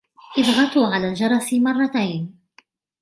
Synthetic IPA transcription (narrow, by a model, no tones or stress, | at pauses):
ʔɪbɣɑt̪ʊʕalaːld͡ʒɑɾˤɑsmɑrˤːɑt̪ajn